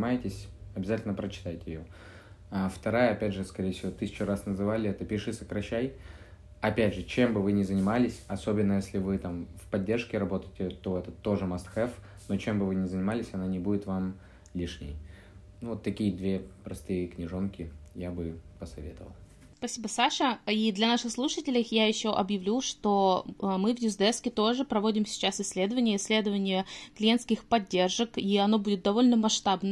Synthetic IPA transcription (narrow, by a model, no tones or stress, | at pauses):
ɪmajɪtʲɪsʲɐbʲɪzatʲɪlʲnəpɾət͡ɕɪ̥t̪ajtʲɪjɪjo | aft̪ɐɾajəɐpʲædʲʐɨskɐɾʲejfsʲɪvo̞t̪ɨsʲɪ̥t͡ɕʊɾasnəzɨvalʲɪɛt̪əpʲɪʂɨsəkɾɐɕːæj | ɐpʲædʲʐɨt͡ɕe̞mbɨvɨnʲɪzənʲɪmalʲɪsʲɐso̞bʲɪnːəjesʲlʲɪvɨt̪amfpɐdʲːe̞rʂkʲɪɾɐbo̞t̪əjtʲɪt̪o̞ɛt̪ət̪ːo̞ʐɨmɐst̪xɛf | no̞t͡ɕe̞mbɨvɨnʲɪzənʲɪmalʲɪsʲɐnanʲɪbudʲɪt̪vam | lʲiʂnʲɪ̰j | nuvot̪ːɐkʲijəd̪vʲe̞pɾɐst̪ɨjəknʲɪʐonkʲɪjabɨpəsɐvʲet̪əvə̰lˠ | spɐsʲibəsaʂəid̪lʲɐnaʂɨxslˠuʂətʲɪlʲɪxjajɪɕːoʔɐbjɪvlʲuʂt̪o̞mɨvjʊzd̪ɛskʲɪt̪o̞ʐɨpɾɐvo̞dʲɪmsʲɪ̥t͡ɕasɪsʲːlʲe̞d̪əvənʲɪjəɪsʲlʲe̞d̪əvənʲɪjəklʲɪjenskʲɪxpɐdʲːe̞rʐəkiɐno̞budʲɪt̪̚d̪ɐvo̞lʲnəmɐʂt̪abnə